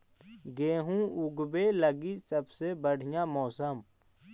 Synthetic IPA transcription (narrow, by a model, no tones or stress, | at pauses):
ɡeːɦũʊɡbeləɡisɐbsebəɽ̤ɪjãmɔːsəm